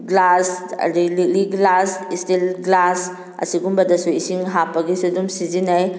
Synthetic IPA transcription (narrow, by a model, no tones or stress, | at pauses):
ɡlasɐ̰ɾililiɡlasistilɡlas | ɐ̰siɡumbɐdasuisiŋɦapɐɡisudumsizinaj